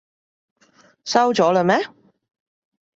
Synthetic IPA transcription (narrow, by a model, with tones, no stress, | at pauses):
sɐ˥wt͡ʃɔː˨˥lə˧mɛː˥